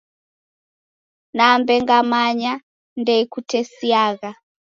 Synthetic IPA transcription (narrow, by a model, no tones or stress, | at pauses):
nambɛŋɡamaɲa | ndɛikutʰɛsiaːɣa